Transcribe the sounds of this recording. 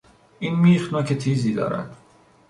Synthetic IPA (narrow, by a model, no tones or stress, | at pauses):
ʔiːnmiːxnɒːcʰet̪ʰiːziːd̪ɒ̰ːɾæ̰d̪̥